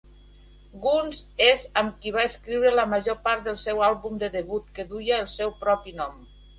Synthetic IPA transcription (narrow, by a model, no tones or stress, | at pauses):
ɡunzezəmkiβ̞aeskɾiwɾələməʒopaɾt̪̚d̪əlˠsɛwalˠβumd̪əðəβut̪kəðujaːlˠsɛwpɾɔpinɔm